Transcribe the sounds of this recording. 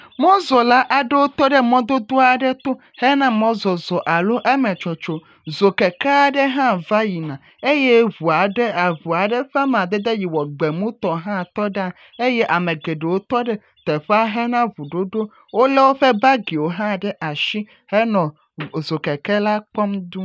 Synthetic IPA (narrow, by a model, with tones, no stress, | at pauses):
mɔ̃˦zɔ˨la˦ʔa˨ɖɛ˦wo˦t̪ɔ˦ɖɛ˦mɔ̃˦d̪o˦d̪o˦a˨ɖɛ˦t̪o˦ | hɛ˦nã˦mɔ̃˦zɔ˨zɔ˨ʔa˨lo˦ʔe˦mɛ̃˨t͡ʃo˨t͡ʃo˨ | zo˨kɛ˨kɛ˦a˨ɖɛ˦ɦã˦va˦ji˨nã˨ | e˦jɛ˦βu˨a˨ɖɛ˦a˨vu˨a˨ɖɛ˦ɸa˦m˨ã˨d̪e˦d̪e˦ji˨wɔ˨ɡ͡be˨mũ˦t̪ɔ˨ɦã˦˨t̪ɔ˦ɖa˦ | e˦jɛ˦ʔa˨mɛ̃˨ɡe˨ɖe˨wo˦t̪ɔ˦ɖɛ˦ | t̪ɛ˨ɸɛ˦a˦ɦɛ˦nã˦vu˨ɖo˦ɖo˦ | wo˦lɛ˦wo˦ɸɛ˦ba˦ɡi˨wo˨ɦã˦ɖɛ˦ʔa˨ʃi˦ | hɛ˦nɔ̃˨ | zo˨kɛ˨kɛ˦la˦k͡pɔ˦md̪ũ˦